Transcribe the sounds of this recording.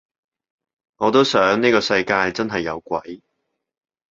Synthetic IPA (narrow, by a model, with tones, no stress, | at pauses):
ŋɔː˨˧t̪̬o˥wsœː˨˥ŋniː˥kɔː˧sɐ˧jkaː˧jt͡sɐ˥nɦɐ˨jːɐ˨˧wkʷɐ̰˨˥j